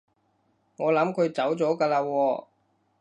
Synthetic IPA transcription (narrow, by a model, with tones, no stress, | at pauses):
ŋɔː˨˧lɐ˨˧˥mkʰɵ˨˧ɥt͡sɐ˨˥wt͡sɔː˨˥kaː˧laː˧wɔː˧